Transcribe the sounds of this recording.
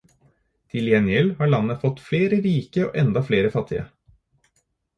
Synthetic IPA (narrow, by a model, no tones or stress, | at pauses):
t̪ʰɪljɛnjɛlhɑːɭɑnːəfɔt̪fleːɾəɾiːkəo̰ːʔɛnd̪ɑfleːɾəfɑt̪ʰːɪə̰